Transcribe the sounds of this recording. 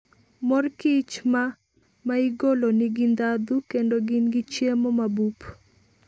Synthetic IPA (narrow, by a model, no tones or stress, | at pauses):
mɔrkɪt͡ʃma | maiɡolonɪɡɪnd̪ad̪ukendoɡɪnɡɪt͡ʃjemomabup